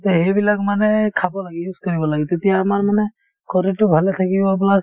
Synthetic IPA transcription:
t̪ɔɦejbilakmanɛkʰabɔlaɡɛjuzkɔɹibɔlaɡit̪etijaːmaɹmanɛ | kɔɾitʊbʱalɛt̪ʰakibɔplak

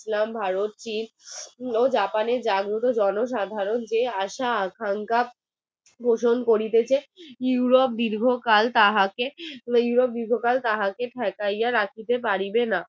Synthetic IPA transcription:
slambʱaɾot̪̚t͡ɕin | od͡ʑapaneɾd͡ʑaɡɾot̪od͡ʑɔnoʃ̬ad̪ʱaɾond͡ʑeaʃaakʰaŋka | bʱoʃonkoɾit̪et͡ɕʰejuuɾop̚d̪iɾɡʱokalt̪aɦakejuɾop̚d̪iɾɡʱokalt̪aɦakeʈʰɛkajaɾakʰit̪ep̬aɾibena

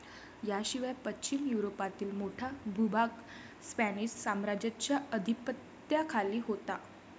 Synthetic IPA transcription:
jaɕiʋajapətːt͡ɕimjuɾopat̪iːlmoʈʰabʱubak | spænid͡ʑsamɾad͡ʑat͡ɕjaəd̪ʱipət̪ | jakʰaliːɦot̪a

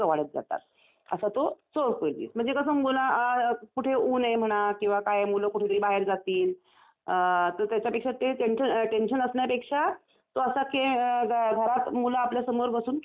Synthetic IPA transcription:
əʋaɽ̤ət̪̚d͡za̰t̪a̰t̪̚ | ə̰sat̪osoɾkold̪ḭːsm̤əɳ̃d͡zekəsəmunakuʈʰeuːnem̤əɽ̃akĩw̃ʋakajemuləkuʈʰet̪əɾibaɦeɾd͡zat̪iːl | t̪əɾt̪jat͡ɕjapekʂateʈenɕənʈenɕənəsnjapekʂa | t̪oəsakeɡʱɡʱəɾat̪mulaːpljasəmoɾbəsuːn

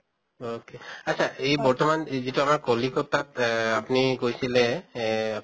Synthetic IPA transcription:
okeatsʰaʔejbɔɹtɔmanzituamaɹkolikɔtatapnikojsilɛ

